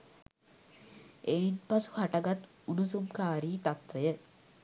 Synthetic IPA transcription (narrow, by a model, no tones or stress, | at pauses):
einpasu̥haʈaɡat̪ | unusumkaːɾiːt̪at̪ʋəjə